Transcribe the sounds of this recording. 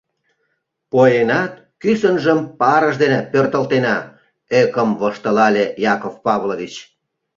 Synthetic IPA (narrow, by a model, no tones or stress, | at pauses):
pojenɑt̪ | kysənʒəmpɑɾəʃd̪enepørt̪ə̆lt̪enɑ | økəmβoʃt̪ə̆lɑlʲejɑkofpɑβloβit͡ɕ